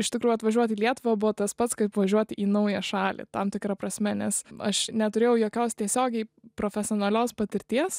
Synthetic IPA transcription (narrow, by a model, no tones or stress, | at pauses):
ɪʃt̪ʲɪkɾuːjuʊɐt̪ʋɐʒʲuɔt̪ʲːlʲiɛt̪ʊʋɐbʊʋɔt̪ɐspɐt̪skɐɪpʋɐʒʲuɔt̪ʲɪʔiːnɐʊjɛʃɑːlʲḛt̪ɐmt̪ʲɪkɾɐpɾɐsʲmʲɛnʲɛsɐ̰ʃnʲɛt̪ʊɾʲeːjɛʊjoːkʲoːst̪ʲiɛsʲoːɡʲɛɪpɾoːfʲɛsʲɪoːnɐlʲoːspɐt̪ʲɪɾʲt̪ʲiɛs